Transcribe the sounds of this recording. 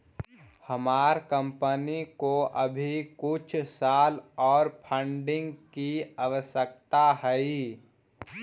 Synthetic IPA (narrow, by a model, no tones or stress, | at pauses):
həmaːɾkə̃mpənikoʔəbʱikʊt͡ʃʰsaːlɔːɾpʰə̃ɳɖɪ̃ŋɡkiaʋəʃjək̚t̪aɦəi